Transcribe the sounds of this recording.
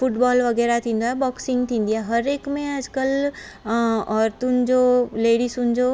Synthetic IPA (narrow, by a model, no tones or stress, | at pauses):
fʊʈbɔːlʋɐɡɛːɾat̪ʰĩːnd̪oɦɛbɔːksĩŋɡt̪ʰĩnd̪iaɦɐɾeːkmẽəd͡ʒkəl | ɔːɾt̪ʊnd͡ʒoleːɽisʊnd͡ʒo